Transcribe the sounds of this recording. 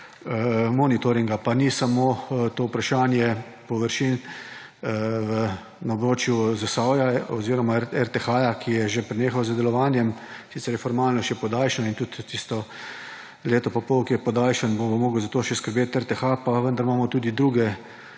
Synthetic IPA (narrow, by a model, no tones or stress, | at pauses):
mɔnit̪ɔɾiŋɡapanisamot̪oːʊpɾaʃaːnjɛ | pɔʋəɾʃiːn | ə | naobɾoːt͡ʃjuzasawjaɔziːɾɔmaɛɾt̪ɛxajakʰijɛʒepɾɛneːxawzəd̪ɛlɔʋaːnjɛmsit̪sɛɾjɛfɔɾmaːlnɔʃɛpɔd̪aːlʃnɔint̪ut̪ːist̪ɔ | leːt̪ɔpapɔwkiɛpɔd̪aːlʃənbobomoːɡəwzat̪oːʃɛskəɾbeːt̪ɛɾt̪ɛxapaʋənd̪aɾmaːmɔt̪uːd̪id̪ɾuːɡɛ